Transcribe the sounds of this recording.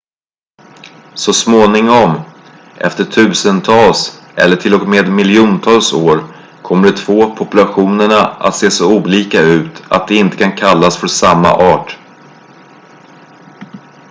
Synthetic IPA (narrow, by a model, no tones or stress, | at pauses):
sɔsmoːnɪŋɔm | ʔɛ̰ft̪əʈʰʉ̟ːsənt̪ʰɑːls | ʔɛ̰lːəʈʰɪlɔkmeːd̪mɪljuːnt̪ʰɑːlsoːɾ | kʰɔmːəɖɛt̪ʰvoːpʰɔpɵlaɧuːnəɳaʔa̰t̪seːsɔuːliːkaʉ̟ːt̪a̰t̪̚d̪ɛɪnt̪ə̥kʰankʰalːasfœɾsamːa̰ʔɑːʈ